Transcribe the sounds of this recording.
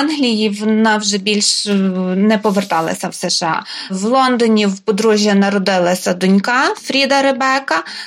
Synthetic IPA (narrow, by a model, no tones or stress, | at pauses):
nɦlʲijiʋɔnɑwʒɛbʲilʲʃ | nɛpɔʋert̪ɑlˠɐ̰sʲɐwsɛʃeɑ̰wlˠɔnd̪ɔnʲiwpɔd̪ɾuʒʲjɐnɐɾɔd̪ɪlˠɐsʲɐd̪ʊnʲkɑfɾʲid̪ɐɾebɛkɐ